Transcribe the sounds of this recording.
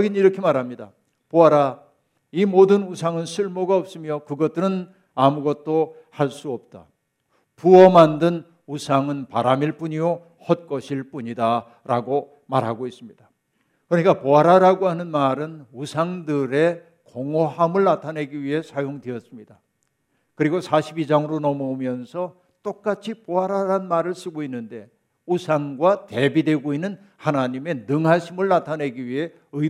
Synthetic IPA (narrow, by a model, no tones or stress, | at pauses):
ʌɡiniɾʌkʰe̞maɾɦamɲida̰ | poaɾa | imodɯnusʰaŋɯnsʰɯɭmoɡaʌp̚s͈ɯmjokɯɡʌt̚t͈ɯɾɯn | amuɡʌt̚t͈o | haɭs͈uʌp̚t͈a̰ | puʌmandɯn | usʰaŋɯnpaɾamiɭp͈uɲio | hʌt̚k͈ʌɕʰiɭp͈uɲida | ɾaɡo | maɾɦaɡois͈ɯmɲid̥a | kɯɾʌɲik͈apoaɾaɾaɡoɦanɯnmaɾɯnusʰaŋdɯɾe̞ | koŋoɦamɯɭnatʰane̞ɡiɥiɦe̞sʰajoŋdeʌs͈ɯmɲida | kɯɾiɡosʰaɕʰibid͡ʑaŋɯɾonʌmoumjʌnsʰʌ | t͈ok̚k͈at͡ɕʰipoɦaɾaɾanmaɾɯɭs͈ɯɡoinːɯnde̞ | usʰaŋɡwate̞bidwe̞ɡoinːɯn | hanaɲime̞nɯŋɦaɕʰimɯɭnatʰaneɡiɥiɦe̞ | ɯ